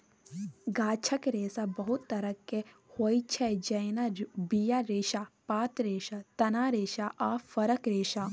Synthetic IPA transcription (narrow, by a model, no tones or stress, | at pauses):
ɡaːt͡ʃʰɐkɾeːsabɐɦut̪ːɐɾəkːehoːjt͡ʃʰɛd͡ʒɐjnabijaɾeːʃapaːt̪ɾeːʃat̪ɐnaːɾeːʃaʔaːfɐɾəkɾeːʃa